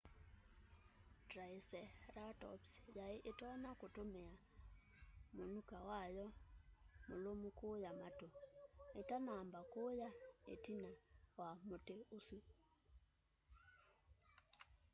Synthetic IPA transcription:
tɾaesɛɾatɔ̰psjaeʔetɔɲakotomea | monukawajɔ | molomukojamatoetanambakojaḛtinawamoteoswu

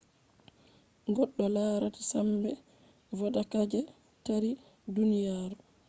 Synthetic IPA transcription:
ɡɔɗːɔlaːɾati̥sambɛ | vɔdakad͡ʒɛ | taɾi | dunijaːɾu

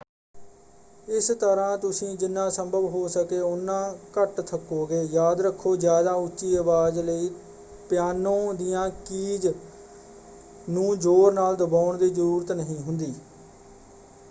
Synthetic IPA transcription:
ɪst̪əɾãːt̪ʊsĩːd͡ʒɪnːãːsəmbəʋɦoːsəkeːʊnːãːkəʈt̪ʰəkːoːɡeːjaːd̪ɾəkʰːoːzjaːd̪aːʊt͡ʃːʃiːəʋaːzləiː | pɪjaːnõːd̪ɪjãːkiːd͡ʒ | nũːd͡ʒoːɾnaːld̪əbaːʊɳd̪iːzəɾuːɾət̪nəɦĩːɦʊnd̪iː

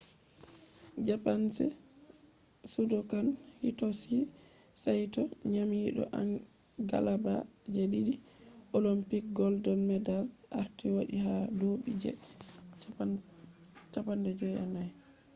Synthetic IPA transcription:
d͡ʒapansɛ̰ | sudɔkanhitɔsi | sajtɔɲamiɗɔ̰ʔa̰n | ɡa̰labad͡ʒɛɗiɗi | ʔolɔmpik̚ɡɔldɔlmɛdalʔa̰ɾtiwaɗihadoɓid͡ʒɛ̰ | t͡ʃapandɛd͡ʒɔja̰naj

